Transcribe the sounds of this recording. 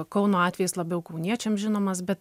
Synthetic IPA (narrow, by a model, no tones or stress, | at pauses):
kɐʊnoːɑːt̪ʲʋʲɛjɪslˠɐbʲɛʊkɐʊnʲiɛt͡ʃʲɛmʒʲɪnoːmɐsbʲɛt̪